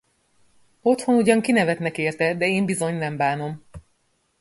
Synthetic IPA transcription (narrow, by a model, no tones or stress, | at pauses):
o̞t̪ho̞nuɟɒŋkinɛvɛt̪nɛkeːrt̪ɛd̪ɛeːmbizo̞ɲnɛmbaːno̞m